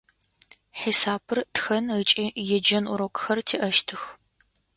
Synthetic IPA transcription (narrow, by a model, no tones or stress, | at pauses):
ħisaːbʰɨrtxɐnət͡ʃʼijɛd͡ʒɐnʔʊɾokʷʼxɐrtʰiːʔɐʃtʰɨx